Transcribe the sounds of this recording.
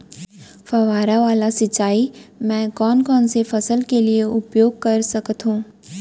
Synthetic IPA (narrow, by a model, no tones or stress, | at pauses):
fɐʋaːɾaʋaːlasɪt͡ʃːaːimɛ̃ːkɔːnkɔːnsefɐsəlkelieʊpjoːɡ̚kɐɾsɐkət̪ɦũː